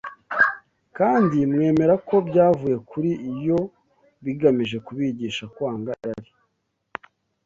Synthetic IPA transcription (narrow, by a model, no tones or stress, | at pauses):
kaːndimŋe̞ːme̞ɾako̞bɟaːvuje̞kuɾiʔːjo̞ | βiɡamiʒe̞kuβiɟiːʃakwaːŋɡajaɾi